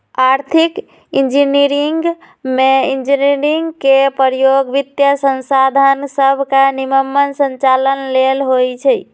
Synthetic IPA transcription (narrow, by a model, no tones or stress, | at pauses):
aɾt̪ʰik | ind͡ʒiniɾiŋɡ | meind͡ʒiniɾiŋɡkepəɾjoɡʋit̪jəsənsad̪ʱansəbʱkaniməmːənsənt͡ʃalənlelɦojt͡ʃʰɛj